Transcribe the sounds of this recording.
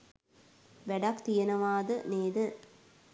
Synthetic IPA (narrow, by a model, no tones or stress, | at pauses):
ʋɛɖɐkt̪ijɐnɐʋaːd̪əneːd̪ə